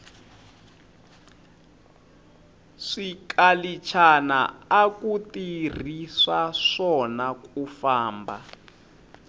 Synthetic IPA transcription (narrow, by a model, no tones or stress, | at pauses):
ʂikalit͡ʃʰana̰akutir̤isaʂɔnakufaːmba